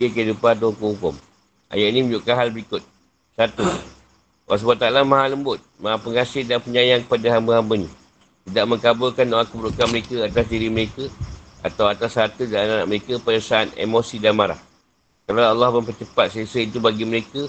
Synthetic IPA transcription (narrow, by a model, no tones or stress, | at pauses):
ekadupat̪̬ahukʊmhukʊm | ʔa̰jaʔinĩmə̃ɲd͡ʒʊʔkanɦalbəɾikʊt̪̚ | sat̪u | was̬bat̪alamãɦaləmbʊt̪̚maɦapəŋasɪhdanpəɲajaŋkə̥padaɦambəɦambənĩ | t̪idaʔ̚mə̃ŋkabʊlkandoaŋkubəɾuʔkanməɾekəat̪asdiɾiməɾekəa̰t̪awat̪ashat̪udalanana̰ʔməɾekəpadasaat̪̚ḛmosidanmaɾa̰h | kalaalːɑhməmpət͡ʃəpat̪̚səsəit̪ubaɡiməɾekə